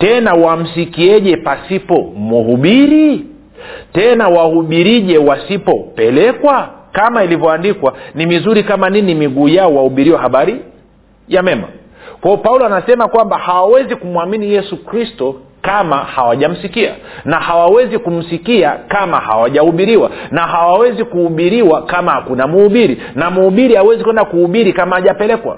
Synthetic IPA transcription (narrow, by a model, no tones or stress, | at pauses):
tɛnawam̩sikiɛʄɛpasipɔmuhuɓiɾi | tɛnawahuɓiɾiʄɛwasipɔpɛlɛkwakamailivjɔandikwanimizuɾikamaninimiɠuːjaɔwahuɓiɾiwahaɓaɾi | jamɛma̰ | kwaɔpaulɔanasɛmakwambahawawɛzikumwaminijɛsukɾistɔ | kamahawaʄam̩sikia̰ | nahawawɛzikum̩sikiakamaha̰waʄahuɓiɾiwanaɦawawɛzikuhuɓiɾiwakamahakunamuuɓiɾi | namuhuɓiɾiawɛzikwɛndakuhuɓiɾikamaːʄapɛlɛkwa̰